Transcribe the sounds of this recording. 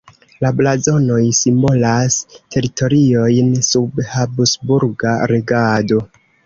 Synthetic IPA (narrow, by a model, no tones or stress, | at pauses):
lablazo̞no̞jsimbo̞lastʰe̞ɾitʰo̞ɾio̞jnsubhabsbuɾɡaɾeɡado̞